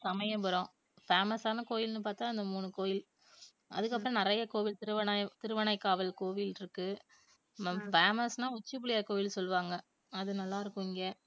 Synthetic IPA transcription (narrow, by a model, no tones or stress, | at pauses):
sɐmɐjɐpɐɾõː | feːmɐsaːnɐkoːjɪlnɯpaːɾt̪aːɪnd̪ɐmuːnɯkoːjɪl | ɐ̰ðɯkːɐpːɯɾɔ̃nɪɾɐjɐkoːʋɪlt̪ɪɾɯʋɐnɐt̪ɪɾɯʋɐɳɐɪkːaːʋɐlkoːʋɪlɪɾɯkːɯ | feːmɐsnãːʊt͡ʃːɯpːɪɽɪjaːɐkoːjɪlsɔlːɯʋaːŋɡɐ | ɐðɯnɐlːaːɪɾɯkːʊ̃ɪŋɡeː